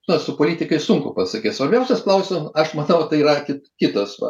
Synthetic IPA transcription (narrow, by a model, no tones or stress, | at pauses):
nɐsʊpoːlʲiːt̪ʲɪkɐɪsʊŋkʊpɐsɐkʲeːtsʋɐɾʲbʲɛʊsʲɛsklˠɐʊsʲɪmɐʃmɐnɐʊt̪ɐɪiːɾɐkʲɪtkʲɪt̪oːsʋɐ̰